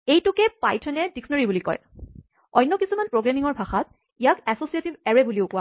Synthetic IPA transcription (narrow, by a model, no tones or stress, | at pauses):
ejtʊkɛpajtʰɔnɛdikʰsnɔɹibulikɔ̰j | ɔ̰jnːɔkisumanpɹoɡɹamiŋɔɹbʱaxat | ijakɛsosietibɛɹebuliʊkʊwa